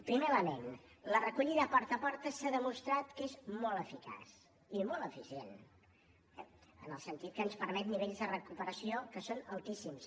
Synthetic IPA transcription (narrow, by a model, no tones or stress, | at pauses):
pɾimeləmen | lərəkuʎiðəːpɔɾt̪əpɔɾt̪əsaðəmust̪ɾat̪kezmɔlˠəfika̰s | imɔlˠəfisiḛn | ɛə̰nəlˠsənt̪it̪̚kənspəɾmɛt̪niβeʎzðərəkupəɾəsiokəsonəlˠt̪isims